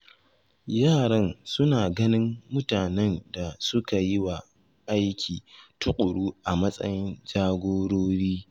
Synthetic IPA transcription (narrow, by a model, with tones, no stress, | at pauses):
jaː˦˨ɽɐ˦nsʊ˦naː˨ɡɐ˦nɪ˦mːʊ˦taː˨nɛ˦nda˨sʊ˦ka˨jɪ˦wa˨ | ʔa˦jkʲʰiː˨tʊ˦kʼʊ˨ɽuː˦ʔa˨mɐ˦sʼɐ̰˦jɪ˦nd͡ʒaː˦ɡʷoː˦ɽoː˦ɽiː˦